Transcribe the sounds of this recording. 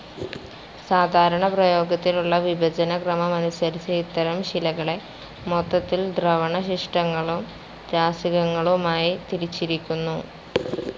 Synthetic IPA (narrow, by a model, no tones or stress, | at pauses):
saːd̪ʱaːɾɐɳɐprɐjo̞ːɡɐt̪ːiluɭːɐʋibʱɐd͡ʑɐnɐkrɐmɐmɐnusɐɾit͡ɕːɐit̪ːɐɾɐmɕilɐɣɐɭe̞ | mot̪ːɐt̪ːild̪rɐʋɐɳɐɕiʂʈɐŋːɐɭum | d͡ʑaːsiɣɐŋːɐɭumaːjit̪iɾit͡ɕːiɾikʲːunːu